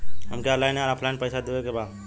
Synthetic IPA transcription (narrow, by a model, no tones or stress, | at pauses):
ɦəmkeaɾlajnaɾapʰlanpəjsad̪iwekebaːd̪